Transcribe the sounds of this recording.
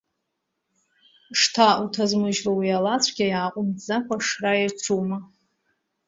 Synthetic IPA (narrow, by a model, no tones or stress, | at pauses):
ʂtʰautʰazmɨʒrowialat͡sʷʰɡʲajaːqʷʼʊmd͡zakʷʰaʂrairt͡sʷʰuma